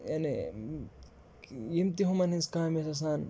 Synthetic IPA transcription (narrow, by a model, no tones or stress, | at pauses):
jane | jimt̪iɦumɐnhĩnskaːmesɐs̬aːn